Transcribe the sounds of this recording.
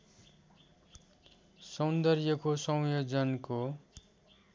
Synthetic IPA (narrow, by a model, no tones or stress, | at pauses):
sʌnd̪ʌrjʌkosʌ̃w̃jod͡zʌnko